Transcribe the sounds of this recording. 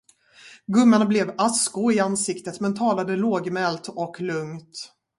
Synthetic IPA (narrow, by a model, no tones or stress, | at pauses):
ɡɵmːaɳablɛvaskʊɪansɪkt̪ət̪mɛnt̪ʰɑːlad̪əloːɡmɛlt̪ɔklɵŋt̪